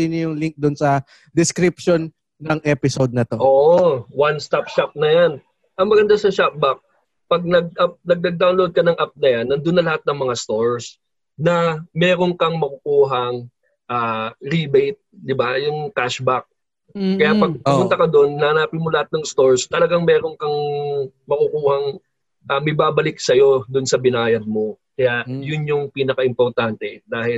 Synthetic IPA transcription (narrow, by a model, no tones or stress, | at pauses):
injʊŋliŋk̚d̪ʊnsɐ | d̪ɪskɾɪp̚ʃonː | ɐŋʔɛpɪsod̪̚nɐt̪oʔoːʔowanst̪ap̚ʃap̚nɐjan | ʔɐŋmɐɡɐnd̪asɐʃap̚bak̚ | pɐɡ̚nɐɡ̚ʔap̚nɐɡ̚nɐɡ̚d̪awnlod̪̚kɐnɐŋʔap̚nɐjanːɐnd̪ʊnːɐlɐhat̪̚nɐŋmɐŋast̪oɹs | nɐmɛːɾo̞ŋkɐŋmɐkʊkuːɦɐŋ | ʔaːɾibɛjt̪̚d̪ɪbajʊŋkaʃbak̚ | kɐjapɐɡ̚pɐpʊnt̪ɐkɐd̪o̞nːɐnapɪnmolɐhat̪̚nɐŋst̪o̞ɹst̪ɐlɐɡaŋmɛːɾoŋkɐŋ | mɐkʊkuːhɐŋ | ʔamɪbaːbɐlɪk̚sɐjo̞d̪ʊnsɐbɪnaːjɐd̪̚mo̞kɐjajʊnjʊŋpiːnɐkɐʔɪmpoɾt̪ant̪ɛd̪aːhɪl